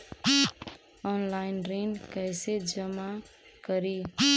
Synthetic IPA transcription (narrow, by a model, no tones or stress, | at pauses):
ɔnlaɪnɾinkəjsed͡ʒəma | kəɾi